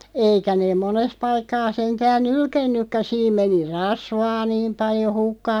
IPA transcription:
eikæ neːm̆ mones pɑikːɑː seŋtæːn nylkenːykːæ siːm meni rɑsʋɑː niːm pɑljo hukːɑː

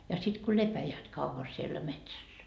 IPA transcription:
jɑ sit ku lepæjæːt kɑuʋɑ sielːæ metsæsːæ

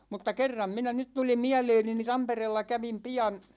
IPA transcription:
mutːɑ kerːɑm minæ nyt tuli miæleːni ni tɑmpereːlːɑ kæʋim piɑn

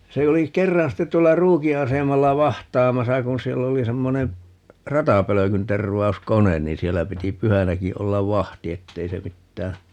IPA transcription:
se oli kerːɑn ste tuolːɑ ruːki ɑsemɑlːɑ ʋɑhtˑɑːmɑsɑ kun̞ sielː oli semːone rɑtɑpøløkynterʋˑɑu̞skonen niːn sielːæ piti pyhænæki olːɑʋ ʋɑhti etːei se mitːæː

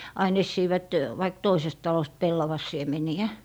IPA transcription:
ɑin esːiːʋæt ʋɑik toisest tɑlost pelːɑʋɑsˑiemeniæ

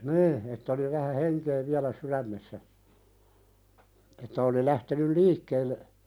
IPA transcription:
niː etː oli ʋæhæ heŋke ʋiælæ suɾæmːesːæ etːæ oli læhtenyl liːkːeːlːe

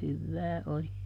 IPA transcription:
hyʋːæː oli

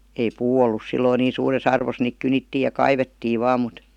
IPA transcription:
ei puː olːus silːoi niːn̞ suːres ɑrʋos niːk kynitːiːj̆ jɑ kɑiʋetːiː ʋɑː mut

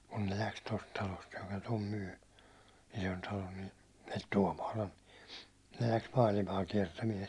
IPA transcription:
kun ne læks tost tɑlost jokɑ tom myː isontɑlon ni el tuɒmɑːlɑn ne læks mɑːlimɑː kiɛrtæmiɛn

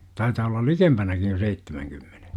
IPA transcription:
tɑitɑː olːɑl likempænækij jo seitːemæŋkymːen̥e̥

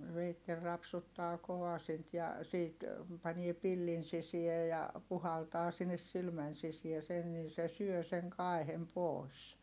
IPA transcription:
ʋeitːel rɑpsutːɑː koʋɑsint jɑ siːt pɑnie pilːin sisie jɑ puhɑltɑː sinːes silmæn sisiæ sen nin se syø siŋ kɑˑi̯hem poˑi̯s

